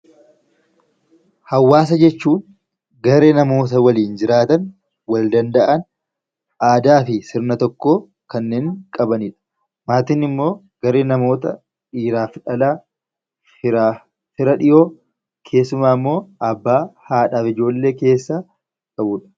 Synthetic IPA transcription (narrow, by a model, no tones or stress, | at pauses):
hɐwːaːs̬ɐd͡ʒɛt͡ʃːuːn | ɡɐɾe̞ːnɐmo̞ːt̪̬ɐwɐliːnd͡ʒɪɾaːt̪ɐn | wɐld̪ɐnd̪ɐʔɐn | ʔaːd̪aːfɪsɪɾnɐt̪ɔkːo̞ː | kɐnːeːŋkʼɐbɐniːᶑɐ̥ | maːt̪ɪnɪmːo̞ː | ɡɐɾeːnɐmo̞ːt̪ɐ | iːɾaːfᶑɐlaː | hɪɾaː | fɪɾɐᶑɪʔo̞ː | kʰe̞ːsːʊmaːɪmːo̞ːʔɐbːaːhaːᶑaːfɪd͡ʒo̞ːlːe̞ːke̞ːsːa | k̪ʼɐʔuːᶑɐ̥